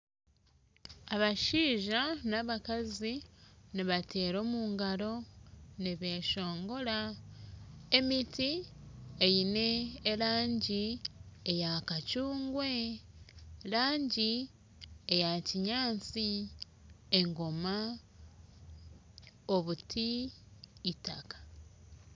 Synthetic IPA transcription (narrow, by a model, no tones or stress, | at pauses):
aβaʃiːʒanaβakaziniβate̞ːɾo̞ːmuːŋɡaɾo̞niβe̞ʃo̞ːŋɡo̞ɾa | e̞miti | ejine̞ːɾaːɲɟiejakacuːŋɡwe̞ | laːɲɟi | ejaciɲaːt͡si | eŋɡo̞ma | oβutʰiː | takḁ